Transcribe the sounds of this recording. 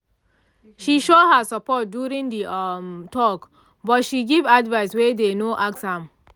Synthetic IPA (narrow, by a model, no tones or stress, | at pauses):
ʃiʃohəsəpɔt̚djuɹĩŋd̪itʰɔk | bɔtʃiɡivadvaɪswed̪enoʔaksãm